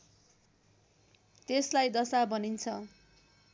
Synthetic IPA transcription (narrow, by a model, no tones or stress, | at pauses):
t̪eslajd̪ʌsabʌnint͡sʰʌ